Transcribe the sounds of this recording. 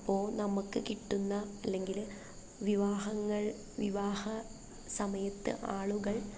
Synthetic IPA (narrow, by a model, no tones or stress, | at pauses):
pːo̞ːnɐmukːɨkiʈːunːɐːlːe̞ŋɡil | ʋiʋaːhɐŋːɐɭ | ʋiʋaːhɐ | sɐmɐjɐt̪ːɨ̰ʔaːɭuɣɐɭ